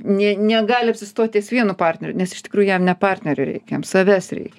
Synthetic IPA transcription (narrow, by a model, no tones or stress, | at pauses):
nʲɛnʲɛɡɑːlʲɪɐpʲsʲɪst̪oːt̪ʲesʋʲiɛnʊpɑːrʲt̪ʲnʲɛɾʲʊnʲɛsɪʃt̪ʲɪ̥kɾuːjʊjɛmnʲɛpɑːrʲt̪ʲnʲɛɾʲʊɾʲɛ̰ɪkʲjɛmsɐʋʲæsrʲɛ̰ɪkʲɛ